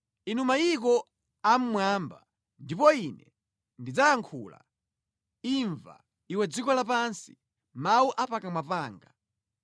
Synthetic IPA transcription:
inumaikɔ | am̩mwaːmba | ndipɔinɛ | ndid͡zajaŋkʰuːla̰ | iɱva̰ | iwɛd͡zikɔlapansi̥̰ | mawuʔapakamwapaːŋɡa

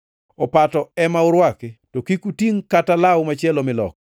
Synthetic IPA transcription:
ɔpatɔɛmaʊɾwaketokikutiŋkatalawmat͡ʃjɛlomɪlɔ̰k̚

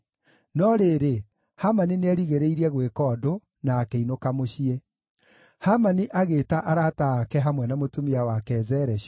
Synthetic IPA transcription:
nɔɾeːɾe | hamanineɛɾiɣeɾeiɾɛɣwekɔːdo | naːkeinokamoɕie | hamaniʔaɣeːtaʔaɾataːkɛɦamwɛnamotomiawakɛːzɛɾɛɕ

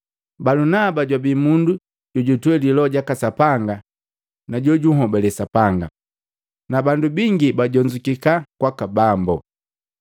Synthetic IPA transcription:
balunabaɟwabimundu | ɟɔɟutwɛlilɔɟakasapaŋɡa | naɟɔɟuɦɔbɛlɛsapaŋɡa̰ | nabandubiŋɡibaɟɔɲd͡ʒukikakwakabambɔ

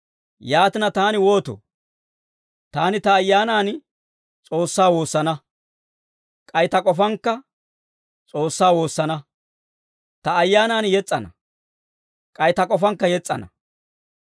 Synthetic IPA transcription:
jaːt̪ɪnɐt̪aːnɪwo̞ːt̪o̰ː | t̪aːnɪt̪ɐːjːaːnaːn | t͡sʼo̞ːsːaːwo̞ːsːɐnɐ | kʼɐjt̪ɐkʼɔfɐŋkːɐ | t͡sʼo̞ːsːaːwo̞ːsːɐnɐ | t̪ɐːjːaːnaːnjɛt͡sʼːɐnɐ̰ | kʼɐjt̪ɐkʼɔfɐŋkːɐjɛt͡sʼːɐ̰nɐ̰

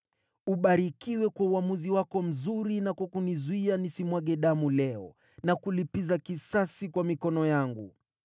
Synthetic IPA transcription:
uɓaɾikiwɛkwauamuziwakɔm̩zuɾinakwakunizuianisimwaɠɛɗamulɛɔ̰ | nakulipizakisasikwamikɔnɔjaŋɡṵ

